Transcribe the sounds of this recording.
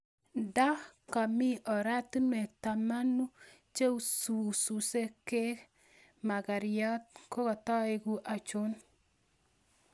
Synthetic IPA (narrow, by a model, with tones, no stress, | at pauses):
da˦ka˨mi˦ʔɔ˨ɾa˦tu˦ne˨ta˨ma˦nu˦ | t͡ʃe˦u˨su˨su˨se˦ke˦k | ma˨ka˨ɾɪjɔ˦t̪̚ko˦kɔ˨tɔ˦ɪ˨ku˦ʔa˨t͡ʃo˦n